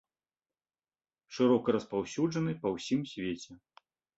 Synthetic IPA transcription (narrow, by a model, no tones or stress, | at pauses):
ʂɨɾɔkɐɾɐspawsʲud͡ʐɐnɨpɐwsʲimsʲvʲet͡sʲɛ